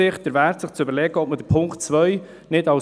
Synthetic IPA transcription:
ɪχd̥əɾvæːɾtsɪχt͡sʏbəɾlɛɡəɔp̚məd̥əpʰʊŋktt͡sʋœʏ | nɪtɑ

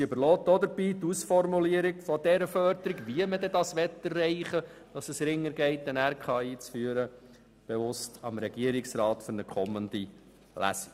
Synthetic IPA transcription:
øbəɾlɔːt̚dod̪əɾb̥iːtusfɔrmuliəɾiɡfɔdɛɾəfœɾdəɾiɡʋiəmədɛdɑsʋɛt̪ərːɛɪχə | d̥ɑsəsɾɪŋːəɾɡɛɪtːənæɾkʰɑiːt͡sfyːəɾə | b̥evʊstɑmɾɛɡiəɾɪksɾɑːt̪fʏɾnəkʰɔmːənd̪i | læ̰si

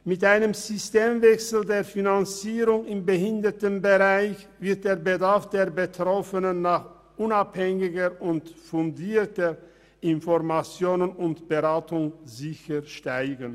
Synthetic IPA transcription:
mɪtʔaɪnəmzʏsteːmvɛksl̩deːɐfinant͡siːʁʊŋɪmbəhɪndətənbəʁaɪçvɪɐt̚d̥eːɐbədaɐfd̥eːɐbətʁ̥ɔfənənːaːχ | ʔʊnaphɛŋɪɡəʊntfʊndiːtə | ʔɪnfɔʁmat͡sjoːnənʊntb̥əʁaːtʰʊŋzɪçəʃtaɪɡən̩

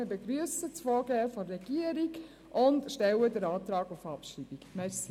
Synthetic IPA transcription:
əbeɡɾyəsət͡sfɔːɡɛːfɔrːɛɡ̥iəɾiɡ | ʔʊntʃtɛwədəɾɑːtɾɑːɡufɑpʃɾiːbikmɛsi

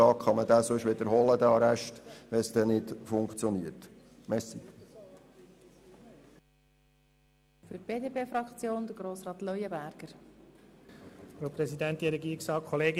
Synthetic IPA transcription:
ɑːkχɑməd̪æːsɵʃʋɪd̪əɾɦɔləd̪æɑɾæʃtʋɛsd̥̪ɛnɪdfʊŋkt͡sjɔniəɾt | mɛsik | fyb̥eːdeːpeːfɾɑkt͡sjoːnd̪əɡɾoːsɾɑːt̪lœʏjəbæɾɡ̥əɾ | fopɾɛsidænt̪iəɾɛɡiːɾiksɑːkʰχoleːɡɪ

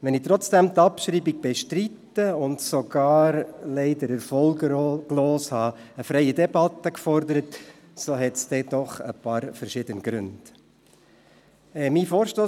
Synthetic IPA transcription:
ʋɛnɪt̪ɾɔt͡sd̥ɛmt̪ɑpʃɾiːbiɡ̚b̥ɛʃtɾitːəʊndsoɡ̥ɑːɾlɛɪd̪əɾæɾfɔlɡɡloːshɑːəfɾɛɪədɛbɑt̪ːəkfɔɾd̪əɾət | soɦɛtsd̥̪ɛd̥ɔχə̰pɑːɾfɛɾʃɪd̥̪ənɡ̥ɾʉ̰nd̥ | ɛmiːfoːɾʃtoː

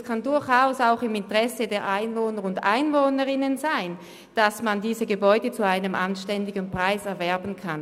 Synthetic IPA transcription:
skʰandʊɐçaʊsaʊxɪmɪntəʁɛsədeːɐʔaɪnvoːnəʁʊndʔa̰ɪnvoːnəʁɪnənzaɪn | d̥asmandiːzəɡəbɔʏdət͡suaɪnəmʔanʃtɛndɪɡənpʁ̥aɪsɛɐvɛɐbn̩kʰan

